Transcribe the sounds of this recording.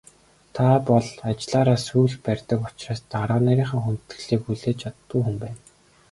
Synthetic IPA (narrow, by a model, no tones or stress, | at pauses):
t̪ʰapɔɮat͡ɕɪɮaːɾaːsuːɮpærʲt̪ə̆kʊt͡ɕraːst̪aɾaːnæɾʲiːɴχə̆ŋxunt̪ɘ̆ɮiːkxuɮeːt͡ɕʰat̪ːɡŭːxumpæːn